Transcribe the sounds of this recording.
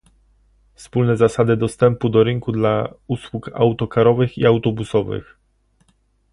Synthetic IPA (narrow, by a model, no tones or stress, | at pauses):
fspulnɛzasad̪ɘd̪ɔst̪ɛmpud̪ɔɾɘŋkud̪lauswuka̰wt̪ɔkaɾɔvɘxiawt̪ɔbusɔvɘ̰x